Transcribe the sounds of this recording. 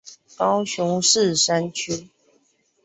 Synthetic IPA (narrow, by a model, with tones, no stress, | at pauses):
kɑ˦ʊɕʊ˨˧˥ŋʂ̩˥˨ʂa˦nt͡ɕʰy˦